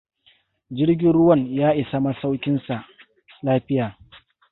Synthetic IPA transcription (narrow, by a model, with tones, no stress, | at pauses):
d͡ʒɪ˦ɽɡʲɪ˦nɽʊ˦wɐ˦˨njaː˦ʔɪ˨sa˦ma˦sa˦wkʲɪ˦nsa˨ʔ | laː˦ɸɪ˦jaː˨